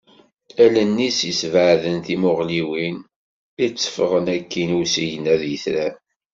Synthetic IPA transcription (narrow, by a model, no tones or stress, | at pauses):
ælənːisisvəʕðənθimʊʁliwin | it͡sːə̥fʁənækːinusijənæðjəθɾæ